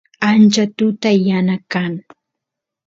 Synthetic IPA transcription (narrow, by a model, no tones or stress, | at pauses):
ant͡ʃat̪ʊt̪ajanakaŋ